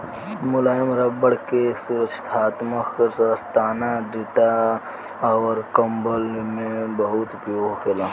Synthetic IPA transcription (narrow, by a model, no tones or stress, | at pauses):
mʊlaːjəmɾɐbəɽkesuɾəkt͡ʃʰt̪ʰaːt̪məkkəɾsəst̪aːnad̪ɪt̪a | ɾkɐmbəlmẽbɐɦʊt̪pjoːɡkʰelaː